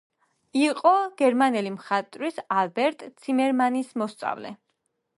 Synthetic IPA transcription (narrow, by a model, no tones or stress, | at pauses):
iqʼɔɡ̥ɛɾmanɛlimχat̪ʼɾisalbɛɾt̪ʼt̪sʰimɛɾmanismɔst̪sʼa̰vlɛ̰